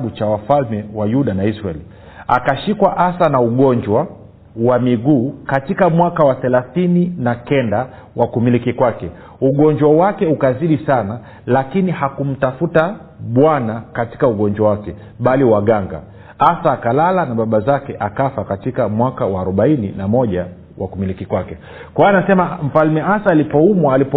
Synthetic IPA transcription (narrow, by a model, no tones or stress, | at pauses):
ɓut͡ʃawafalmɛwajuɗanaisɾaɛli | akaʃikwaʔasanauɠɔɲd͡ʒwa | wamiɡuːkatikamwakawaθɛlaθininakɛnda | wakumilikikwakɛ | uɠɔnd͡ʒwawakɛukaziɗisana | lakinihakum̩tafuta | ɓwanakati̥kauɠɔnd͡ʒwawakɛ | ɓaliwaɠaŋɡa̰ | asaːkalalanaɓaɓazakɛʔakafakatikamwakawaːɾuɓainḭnamɔʄa | wʔa̰kumilikikwakɛ | kwaanasɛmam̩falmɛasaːlipɔumwaːlipɔ